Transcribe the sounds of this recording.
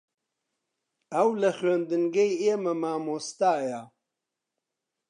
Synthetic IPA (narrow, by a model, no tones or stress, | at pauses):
ɐwlɐxɥeːnd̪ɨŋɡejeːmɐmaːmoːst̪aːja